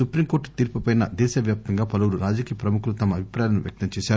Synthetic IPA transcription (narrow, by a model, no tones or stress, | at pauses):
supɾimko̞ːɾʈt̪iːɾpupɐjnɐ̰d̪ɛːʃɐʋjaːp̚t̪ɐŋɡaːpɐluwuɾuɾaːd͡ʒɐkijɐpɾɐmukulut̪ɐmɐːbʱipɾaːjɐnuʋjɐ̰k̚t̪ɐmt͡ʃɛːʃaːɾ